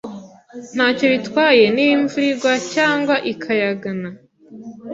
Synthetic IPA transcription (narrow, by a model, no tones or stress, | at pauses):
n̥haːco̞βitwaːje̞niɱvuɾiɡwacaːŋɡwaʔikʰajaɡana